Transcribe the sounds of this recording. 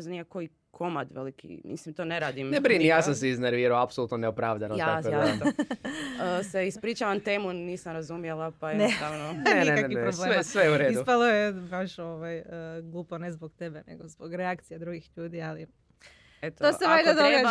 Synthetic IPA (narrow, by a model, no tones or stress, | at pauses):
zanijakoji | kʰo̞mad̪ʋḛlikʰḭmḭslimt̪oːneɾaːd̪imnebɾinijaːsams̬eizneɾʋiːɾaoapsoluːt̪noneopɾaːʋd̪anojaaot̪ | əseispɾiːt͡ʃaʋant̪eːmuniːsamɾazumjelˠapajeeaːʋnoeieaiɾobsleesʋejeuɾeːiupalˠojebaʃoʋajəɡlˠuːponezboɡt̪ebenḛɡozboɡɾeakt̪sijed̪ɾuɡixʎuːd̪iali | et̪t̪oeajd̪ad̪oɡa